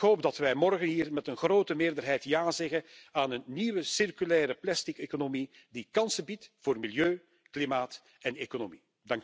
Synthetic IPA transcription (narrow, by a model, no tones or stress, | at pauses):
kɦoːp̚dɑtʋɛjmɔrɣənɦiːrmɛtənɣroːtəmɪːrdərɦɛjtjaːzɛɣəaːnənːiʋəsɪrkylɛːɾəplɛstɪkekonomi | dikɑnsəbitvoːrmiljøː | klimaːt | ɛnekonomi | dɑŋk